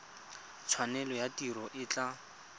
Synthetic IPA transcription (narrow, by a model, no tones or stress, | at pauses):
t͡sʰwanɛlɔjatiɾɔʔɪt͡ɬa